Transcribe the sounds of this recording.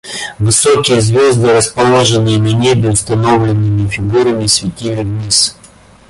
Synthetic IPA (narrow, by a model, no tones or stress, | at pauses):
vɨsokʲɪjəzvʲozd̪ɨɾəspɐlˠoʐɨnːɨjənɐnʲebʲɪʊst̪ɐno̞vlʲɪnːɨmʲɪfʲɪɡuɾəmʲɪsʲvʲɪtʲivʲɪvnʲis